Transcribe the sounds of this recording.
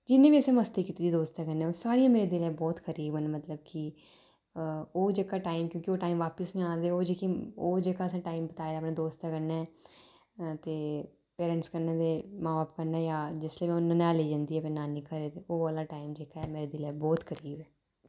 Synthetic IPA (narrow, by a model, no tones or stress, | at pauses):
d͡ʒɪnːẽːbiːəsẽːməst̪eːkiːt̪iːd̪iːd̪oːst̪ɛːkəɾnẽɛːosaːɾijãːmeːɾeːd̪ɪlɛːbɔːt̪xəɾiːbənmət̪ləbki | oːd͡ʒeːkaːʈaːimkjõːkioːʈaːimʋaːpəsnĩãːnd̪eoːd͡ʒekioːd͡ʒekaːəsãːʈaːimbət̪aːed̪aːpnẽːd̪oːst̪aːkəɾnaɛ | t̪eː | peːɾə̃ɳʈskəɾneːd̪eːmãːaːpkəɾnaːjaːd͡ʒɪsleːmɛ̃ːʊnənaːleːd͡ʒãːnd̪iːɛːpeːnaːniːkəɾeːd̪eoːəlaːʈaːimd͡ʒeːkaːɛmeːɾeːd̪ɪlɛːbɔːt̪xʰəɾiːbɛː